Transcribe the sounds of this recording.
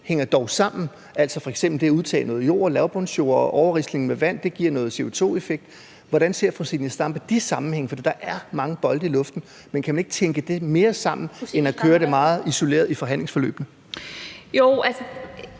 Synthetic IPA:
heŋ̰ɐd̥ɒʊsɑ̈m̰n̩ | æl̰sɒ̽fɒ̽eɡ̥semb̥l̩d̥e̝æuð̞ˠt͡sʰɛ̰ːnɔ̽ːð̞̩ˠjo̝̰ːɐ̰læʊb̥ɔnɕo̝̰ɐɒʔɒʊɐʁisd̥ne̝ŋ̩meʋæn̰d̥e̝ɡ̥iɐ̰nɔ̽ːðˠse̝o̝t͡sʰo̝̰ːe̝feɡ̥̚d̥ | ʋɒɾænse̝ɐ̰fʁosinəsd̥ɑ̈mb̥æd̥isɑ̈mn̩heŋ̰əfɒ̽d̥ḭːd̥ɑ̈ʔæɐmɑ̈ŋəb̥ɒ̽ld̥əilɔ̽fd̥n̩ | menkʰæmæne̝ɡ̥t͡sʰeŋɡ̥əd̥e̝me̝ːɐsɑ̈m̰n̩enækʰøːɐɾemɑ̈ːð̩ˠiso̝le̝̰ːɐðˠifɒ̽ɦænle̝ŋsfɒ̽lø̰ːb̥nə | joælsə

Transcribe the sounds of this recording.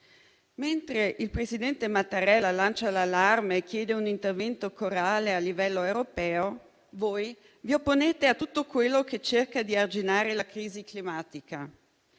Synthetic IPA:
ment̪ɾeʔilpɾesid̪ɛnt̪emat̪ːaɾɛlːalant͡ʃalalːarmeːkːjɛːd̪eunint̪ervɛnt̪okoɾaːlealːivɛlːoewɾopɛːo | voːj | viopːoneːt̪eat̪ːut̪ːokwelːoket͡ʃːerkad̪iard͡ʒinaːɾelakɾiːziklimaːt̪ika

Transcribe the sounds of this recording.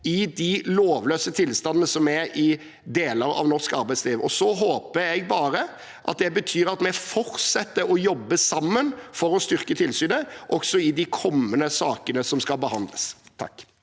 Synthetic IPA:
ɪd̪ɪloːʋløːsət̪ʰɪlst̪ɑnənəsɔmæɾɪ | d̪eːləɾɑ̰ʋnɔʂkɑɾbæɪsliːʋɔsɔɦoːpəɾɛɡ̚bɑːɾə | ʔɑ̰t̪̚d̪ɛbət̪ʰyːɾɑt̪mɛfɔɾt̪sɛt̪ːəɾɔjɔbːəsɑmːənfɔɾɔst̪ʏɾkət̪ʰɪlsyːnəʔɔɡsɔɪd̪ɪkʰɔmːənəsɑːkənəsɔmskɑlbəhɑnd̪ləst̪ʰɑ̰kː

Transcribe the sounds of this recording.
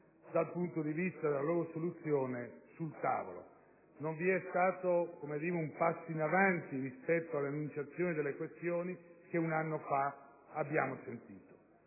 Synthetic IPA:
d̪alpunt̪od̪ivist̪ad̪elaloːɾosolut̪sːjoːnesult̪a̰ːvo̰lo̰ | noɱviɛst̪aːt̪okomed̪iːɾeumpasːoinavant̪irispɛt̪ːoalːeanːunt͡ʃat̪sːjoːnid̪elːekwest̪joːnikeunanːofa | abːjaːmosent̪iːt̪o̥

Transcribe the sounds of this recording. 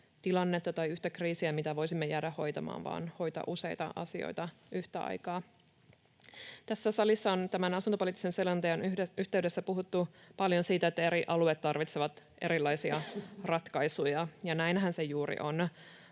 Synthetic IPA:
t̪ilɑnːe̞t̪ːɑt̪ɑjyht̪ækriːsiæmit̪æʋo̞jsimːejæːɾæho̞jt̪ɑmɑ̰ːnʋɑ̰ːnho̞jt̪ɑ̰ʔuse̞jt̪ɑ̰ʔɑ̰sio̰jt̪ɑʔyht̪æɑ̰jkɑː | t̪æsːæsɑlisːɑo̞nt̪æmænɑsunt̪opoliːt̪ːise̞nselɑnt̪ejɑnyht̪e̞yɥde̞sːæpuɦut̪ːupɑljo̞nsiːt̪æet̪ːæe̞ɾiʔɑluet̪ːɑrʋit̪seʋɑt̪ʔe̞ɾilːɑjsiɑrɑt̪kɑjsujɑjɑnæjnɦænsejuːɾḭʔo̞n

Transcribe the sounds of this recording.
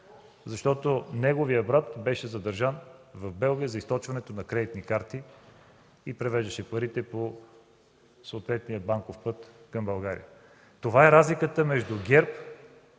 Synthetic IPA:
zɐʃt̪ɔt̪onɛɡoviəbɾat̪bɛʃɛzɐd̪ɐɾʒanvɐvbɛlˠɡʲijəzɐist̪ɔt͡ʃvɐnɛt̪onɐkɾɛd̪it̪nikaɾt̪i | ipɾɛvɛʒd̪əʃɛpɐɾit̪ɛpo | sɐːt̪vɛt̪nijəbaŋkofpɤt̪kɐmbɐlˠɡaɾḭjə | t̪ovaɛɾazlikət̪əmɛʒd̪uɡʲɛɾp

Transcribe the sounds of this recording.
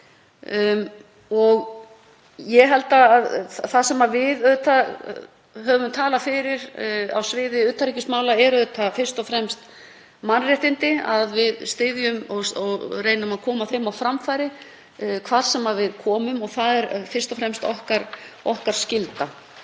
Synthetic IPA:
ɔɣ | jɛɦɛlt̪aːðθasɛmavɪðœt̪ʰa | ɦœːvʏmt̪ʰaːlafɪɾɪɾa̰wsvɪːðɪʏːt̪ʰːaɾicɪsmaːwlaɛɾœœt̪ʰafɪr̥st̪ɔfɾɛmst̪ | manrɛht̪ɪnt̪ɪaðvɪðst̪ɪðjʏmɔɔrejnʏmaðkʰɔːmaθeɥmawfɾamfaːjɾɪ | kʰvaːɾ̥sɛmavɪðkʰɔːmʏmɔɣθaðɛɾfɪr̥st̪ɔfɾɛmst̪ɔhkaɾɔhkaɾ̥scɪlt̪a

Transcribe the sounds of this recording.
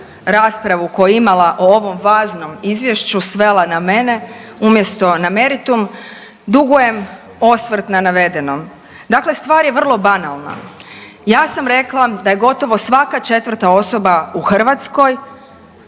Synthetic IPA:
ɾaːspɾaʋuko̞jeimalˠaʔoo̞ʋo̞mʋaːzno̞mizʋje̞ʃt͡ɕusʋe̞lˠaname̞neumje̞st̪o̞name̞ɾit̪um | d̪uɡuje̞m | o̞sʋr̩t̪nanaʋe̞d̪eno̞m | d̪akle̞st̪ʋaːɾje̞ʋr̩lˠo̞banalˠna̰ | jaːsamɾe̞klˠad̪aje̞ɡo̞t̪o̞ʋo̞sʋakat͡ʃe̞t̪ʋr̩t̪ao̞so̞bauxr̩ʋat̪sko̞j

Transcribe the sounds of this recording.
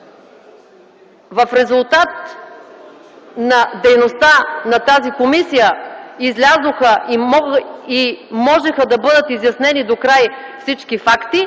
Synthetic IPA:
vɐfɾɛzulˠt̪at̪̚ | nɐd̪ɛjnost̪anɐt̪azikomisijəizlʲazoxəi | imɔʒɛxəd̪ɐbɤd̪ət̪izjɐsnɛnid̪okɾajfsit͡ʃkifakt̪i

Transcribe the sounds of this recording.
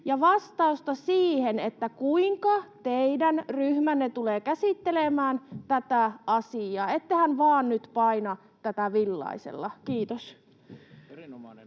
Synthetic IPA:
jɑʋɑst̪ɑust̪ɑsiːhenet̪ːækuiŋkɑt̪eidænryhmænːet̪uleːkæsit̪ːelemæːnt̪æt̪æʔɑsiɑːet̪ːehænʋɑːnnyt̪pɑinɑ | t̪æt̪æʋilːɑ̰isḛlːɑkiːt̪os

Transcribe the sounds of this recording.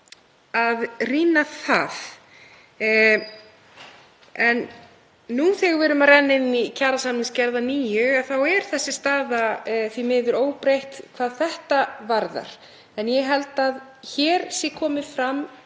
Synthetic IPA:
aðriːnaθað | ɛnː | uθɪɣvɛːɾʏmarɛnːɪnicʰaːɾasamnɪnscɛɾðaniːjʏaθawɛɾ̥θɛsːɪst̪aːðaθvimɪːðʏɾoːwpɾejht̪kʰv̥aːðθɛht̪avaɾða̰ɾ̥ | ɛnjɛɦɛlt̪að | çɛːɾ̥sɪkʰɔːmɪ̥fɾamː

